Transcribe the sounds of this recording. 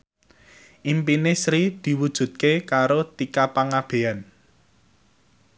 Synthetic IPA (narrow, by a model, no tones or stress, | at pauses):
ʔimpinesɾid̪̥i̤wud̥ʒ̥ṳt̪̚kekaɾot̪ikapaŋab̥e̤an